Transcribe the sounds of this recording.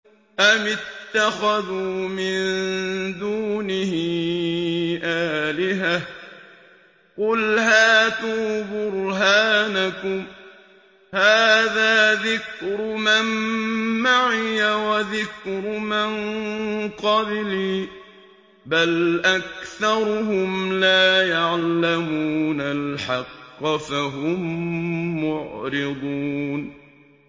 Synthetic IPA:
ʔamɪt̪ːaxaðuːmɪnnd̪uːnɪhɪ | ʔaːlɪɦa | qʊlhaːt̪uːbʊɾɦaːnakʊm | haːðaːðɪkɾʊmanmaʕɪjawaðɪkɾʊmɪn | qɑbɪliː | balʔak̚θɑɾˤʊɦʊmlaːjaʕlamuːnalħɑqːɑfaɦʊmː | ʊʕɾɪd̪ˤuːn

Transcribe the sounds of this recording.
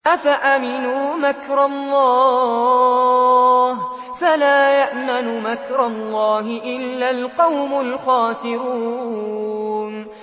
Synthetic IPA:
ʔafaʔamɪnuːmakɾˤɑlˤːɑː | h | falaːjaʔmanʊmakɾˤɑlˤːɑːɦɪʔɪlːalqɑwmʊlxaːsɪɾuː | n

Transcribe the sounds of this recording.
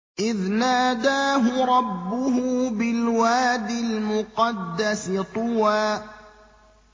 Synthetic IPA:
ʔɪðnaːd̪aːɦʊɾˤɑbːʊɦuːbɪlwaːd̪ɪlmʊqɑd̪ːasɪt̪ˤʊwaː

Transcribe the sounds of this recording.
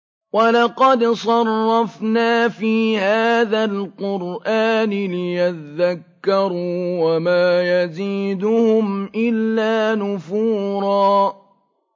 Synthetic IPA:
wɑlɑqɑd̪sˤɑrˤːɑfnaːfiːhaːðalqʊɾʔaːnɪlɪjat̪ðakːɑɾˤuːwamaːjaziːd̪ʊhʊmʔɪlːaːnʊfuːɾˤɑː

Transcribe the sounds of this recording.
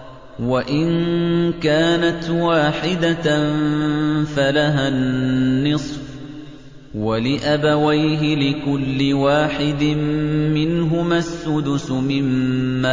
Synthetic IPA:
waʔɪnkaːnat̪waːħɪd̪a | falaɦanːɨsˤf | walɪʔabawajɦɪlɪkʊlːɪwaːħɪd̪ɪmːɪnɦʊmaːsːʊd̪ʊsʊmɪmːaː

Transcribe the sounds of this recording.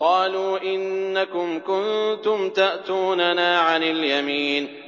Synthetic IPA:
qɑːluːʔɪnːakʊmkʊnt̪ʊmt̪aʔt̪uːnanaːʕanɪljamiːn

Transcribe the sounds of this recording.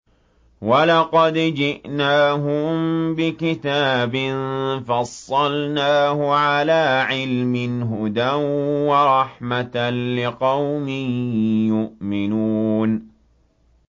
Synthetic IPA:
walɑqɑd̪d͡ʒɪʔnaːɦʊmbɪkɪt̪aːbɪnfɑsˤːɑlnaːhʊʕalaːʕɪlmɪnɦʊd̪anwɑɾˤɑħmat̪nlɪqɑwmɪjʊʔmɪnuːn

